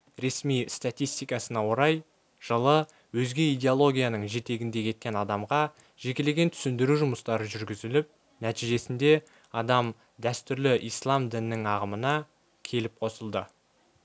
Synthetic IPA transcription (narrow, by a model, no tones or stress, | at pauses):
ɾe̞smijst̪at̪ijst̪ijkɑsənɑwo̞ɾɑj | ʒ̥əlˠə | wɵzɡʲe̞ijd̪ʲe̞olˠo̞ɡʲijanəɴʒe̞t̪e̞ɡʲɪnd̪e̞kʲʰe̞t̪̚kʲe̞nɑd̪ɑmʁɑ | ʒ̥e̞kʲe̞le̞ɡʲe̞nt̪ʰʏ̥sɪnd̪ɪɾuʒʊməst̪ɑɾəʒʏɾɡʲɪzɪlɪp̚ | næt̪ijʒe̞sɪnd̪e̞ | ɑd̪ɑm | d̪æst̪ʏɾlɪʔijslˠɑmd̪ɪnːɪŋɑʁəmənɑ | kʲʰe̞lɪp̚qʰo̞səlˠd̪ə